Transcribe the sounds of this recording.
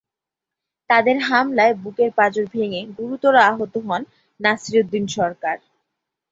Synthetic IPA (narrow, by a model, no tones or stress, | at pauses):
t̪ad̪eɾɦamlaebukeɾpad͡ʑoɾbʱeŋeɡuɾut̪oɾaaɦot̪oɦɔnː | asiɾod̪ːinʃɔɾkaɾ